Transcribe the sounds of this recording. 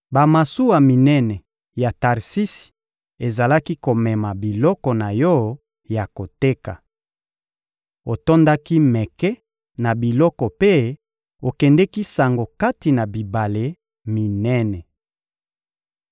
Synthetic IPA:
ba˨ma˨su˦wa˨mi˨nɛ˦nɛ˨ | ja˨ta˨ʁsi˦si̥˨ | e˨za˨la˦ki˦ko˨mɛ˨ma˨bi˨lɔ˦kɔ˨na˨jɔ˦ | ja˨ko˨te˦ka˨ | o˨to˦nda˦ki˦mɛ˨kɛ˦ | na˨bi˨lɔ˦kɔ˨pe˦ | o˨kɛ˨ndɛ˦ki˦sa˨ŋɡo˨ka˦ti˨na˨bi˨ba˨le˦ | mi˨nɛ˦nɛ˨

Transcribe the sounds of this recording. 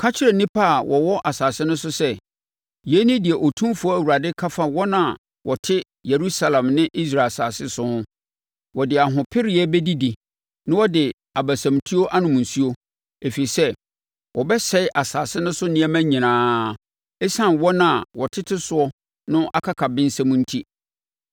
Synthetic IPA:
kʰa˦t͡ɕʰɪ˦ɾɛ˨nĩ˦pʰa˦˨wʔɔ˨wɔ˦ʔa˨saː˨sɪ˦nʊ̃˦sʊ˦sɛ˦ | je˦nɪ̃˦dɪ˨ɛ˨ʔo˨tʰũ˦fʊ˦ɔ˦æ˨wu˨ɾa˨dɪ˦kʰa˦fa˦wɔ˦nã˨ | wʔɔ˨tʰɪ˦ | je˨ɾu˦sa˦lã˨mnɪ̃˦ʔi˦s̬ɾa˨saː˨sɪ˦sʊ˦hʊ̃˦ | wɔ˨dɪ˨a˨ɦʊ̃˨pʰɪ˦ɾi˨ɛ˦bɛ˦di˦di˨ | nɪ̃˦wɔ˦dɪ˨ | a˨bæ˨sã˨mtʰu˦o˦ʔa˦nʊ̃˨m̃˨n̩˨su˦o˦ | e˨fi˨i˨sɛ˦ | wɔ˨bɛ˦sɛ˦ɪ˦ʔa˨saː˨sɪ˦nʊ̃˦sʊ˦nɪ̃˦æ˦mæ̃˦ɲĩ˨nãː˨˦ | ɛ˦sã˦˨nwɔ̃˦nã˨wɔ˨tʰɪ˦tʰɪ˦sʊ˦ɔ˦ | nʊ̃˦ʔa˦kʰa˦kʰa˨bɪ̃˦n˦sã˦mʊ̃˦n̩˦tʰi˦

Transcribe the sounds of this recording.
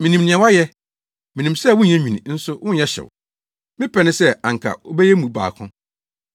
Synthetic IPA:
mĩ˨nĩ˨mnɪ̃˨ɛ̃˨˦wa˦jɛ˦ | mĩ˨nĩ˨msɛ˦˨wʊ̃˦˨ɛ̃˦ɲᶣĩ˨nĩ˨n̩˦sʊ˦wʔʊ̃˦jɛ˦ɕɛ̰˨w | mɪ̃˦pʰɛ˨nɪ̃˦sɛ˦ã˨ŋ˨kʰa̰˨wo̰˦bɛ˦jɛ˦mũ˨ba̰ː˨kʰʊ̰̃˦

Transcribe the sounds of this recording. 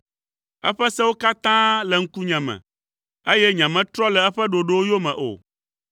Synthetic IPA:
ɛ̰˦ɸɛ˦sɛ˦wo˦ka˦t̪ã˦lɛ˨ŋ̩˦ku˦ɲɛ̃˨mɛ̰̃˨ | e˦jɛ˦ɲɛ̃˨mɛ̃˦t̪ɾɔ˦lɛ˨ɛ˦ɸɛ˦ɖo˨ɖe˦wo˦jo˦mɛ̃˨ʔo̰˨

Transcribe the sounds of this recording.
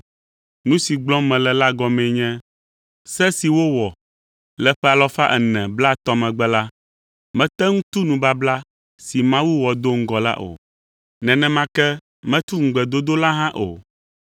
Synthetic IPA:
nũ˦si˨ɡ͡blɔ̃˦mɛ̃˨lɛ˨la˦ɡɔ˦mɛ̃˨ɲɛ̃˦ | sɛ˦si˨wo˦wɔ˨ | lɛ˨ɸɛ˦a˨lɔ˦fa˦ʔɛ˨nɛ̃˨bla˦t̪ɔ˦mɛ̃˨ɡ͡bɛ˦la˦ | mɛ̃˦t̪ɛ˦ŋũ˦t̪u˦nũ˨ba˦bla˦ | si˨mã˦wu˦wɔ˨d̪o˦ŋ̩˦ɡɔ˨la̰˦ʔo̰˨ | nɛ̃˨nɛ̃˨mã˦kɛ˦ | mɛ̃˦t̪u˦ŋ̩˨ɡ͡bɛ˨d̪o˦d̪o˦la˦ɦã˦ʔo̰˨

